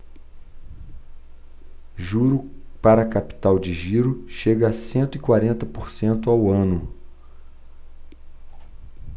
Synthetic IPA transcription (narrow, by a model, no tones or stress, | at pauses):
ʒuɾʊpaɾɐːkapi̥t̪awd͡ʒɪʒiɾʊʃeɡɐːsẽnt̪ʊikwaɾẽnt̪ɐpoɾsẽnt̪ʊawɐ̃nʊ